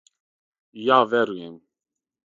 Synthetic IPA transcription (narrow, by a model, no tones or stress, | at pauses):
javɛɾujɛm